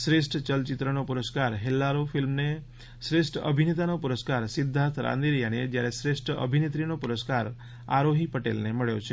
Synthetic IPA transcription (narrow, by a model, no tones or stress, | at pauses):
sɾesʈt͡ʃəlt͡ʃit̪ɾənopuɾəskaɾɦelːaɾofʰilmne | sɾesʈə̰bʱinet̪anopuɾəskaɾsid̪ʱːãt̪ʰɾã̰nd̪iɾijaned͡ʒjaɾesɾesʈə̰bʱinet̪ɾinopuɾəskaɾ | a̰ɾoɦipəʈḛlneməɭjot͡ʃʰe